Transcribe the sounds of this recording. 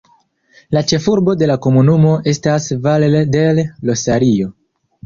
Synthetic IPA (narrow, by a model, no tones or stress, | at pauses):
lat͡ʃe̞fuɾbo̞de̞lako̞munumo̞ʔe̞stasvalede̞lːo̞saɾio̞